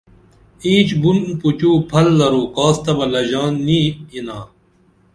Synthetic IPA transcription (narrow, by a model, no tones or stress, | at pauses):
ĩːt͡ɕbunput͡ɕuːpʰɐlːɐɾoːkaːst̪ɐbɐlɐʑaːnːiːinaː